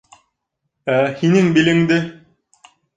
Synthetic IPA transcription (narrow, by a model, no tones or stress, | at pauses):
æhinɘŋbilɘ̆ŋd̪ɘ